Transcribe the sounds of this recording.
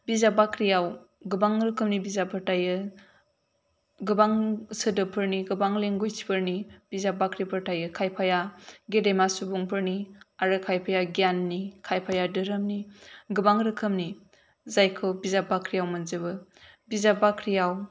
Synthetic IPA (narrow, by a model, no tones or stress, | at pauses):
bizabakɾijaw | ɡɯbaŋɾɯkʰɯmnibizapʰɯɾtajɯ | ɡɯbaŋsɯdɯpʰɯɾniɡɯbaŋleŋɡujsʰi̥pʰɐɾnib̥izabakɾipʰɐɾtajɯkʰajpʰajaɡedemasubuŋpʰɯɾniaɾɯkʰajpʰajaɡjanːikʰajpʰajadɯɾɐmniɡɯbaŋɾɯkʰɯmni | zajkʰɯwbizabakɾijawmɐnzɯbɯbizabakʰɾijaw